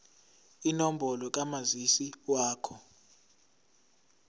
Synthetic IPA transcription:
inɔm̩bʱɔlɔk̬ʼamazisiwaːkʰɔ

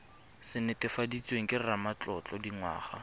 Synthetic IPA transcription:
sɪnɪtɪfadit͡sʼweŋ̩kʼɪramat͡ɬʼɔt͡ɬʼɔdiŋwa̰ːχa̰

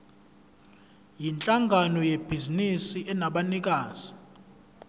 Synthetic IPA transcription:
jint͡ɬʼaŋɡʱanɔjeb̥ʱizinisiʔɛnaɓanik̬ʼaːz̥i̥

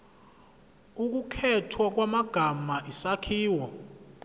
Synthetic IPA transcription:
uk̬ukʰɛtʰwak̬wamaɡ̥ʱamaʔisakʰiːwɔ

